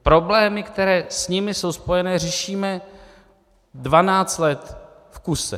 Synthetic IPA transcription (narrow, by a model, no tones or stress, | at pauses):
pɾo̞blɛːmɪkt̪ɛɾɛːsɲɪmɪso̞wspo̞jɛnɛːr̝ɛʃiːmɛ | dvanaːt͡st̪lɛt̪ | fkusɛ̰